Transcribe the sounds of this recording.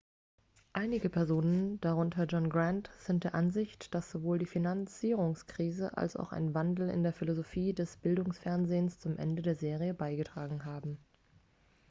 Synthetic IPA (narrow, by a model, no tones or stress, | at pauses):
ʔaɪnɪɡəpʰɛɐzoːnənd̥aʁ̞ʊntʰɐd͡ʒɔnɡʁantz̥ɪnt̚d̥eːɐʔanzɪçtd̥asz̥ovoːldiːfinant͡siːʁ̞ʊŋskʁ̥iːzəʔa̰lsa̰ʊxa̰ɪnvandl̩ɪ̰ndeːɐfilozofiːdɛsb̥ɪldʊŋsfɛɐnzeːnst͡sʊmʔɛ̰ndədeːɐzeːʁiəbaɪɡətʁ̥aːɡŋ̩ɦaːbm̩